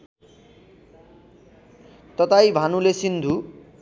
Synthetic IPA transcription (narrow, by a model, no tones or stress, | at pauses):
t̪ʌt̪ajbʱanulesind̪ʱu